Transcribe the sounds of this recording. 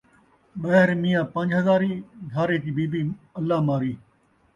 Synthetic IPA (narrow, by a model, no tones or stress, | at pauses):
ɓɐɦɪɾmiːjãːpɐ̃ɲd͡ʒɦɐzaːɾiːɡʱaːɾeːkiːbiːbiːəlːaːmaːɾiː